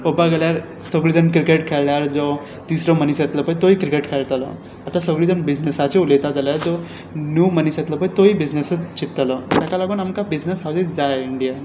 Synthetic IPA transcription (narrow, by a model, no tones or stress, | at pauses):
obaɡeljaɾ | səɡɭid͡zənkɾikeʈkʰelljaɾd͡zɔ | t̪isɾɔmənisjet̪ləpəjt̪oikɾikeʈkʰelt̪lɔ̰ | at̪asəɡɭid͡zənbid͡ʑnesat͡ɕeulet̪ad͡zaljaɾd͡zɔ | njumənisjet̪ləpəjt̪oibid͡znesət͡ɕit̪ːlət̪jakalaɡuːnamkabid͡znesɦawd͡zed͡zajiɳɖija